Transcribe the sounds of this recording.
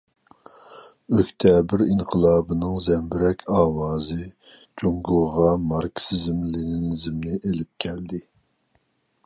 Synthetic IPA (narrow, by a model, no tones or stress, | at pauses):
økʲt̪ʰɛbɪɾinqʰəlˠɑːbɨnɨŋzɛmbɪɾɛkʲʰɑːwɑːzɨ | d͡ʒoŋɡʊʁʁɑmɑɾkʲsizɪmlɪnɪnɪzɪmnɪʔelɪp̚kʲʰɛld̪ɪ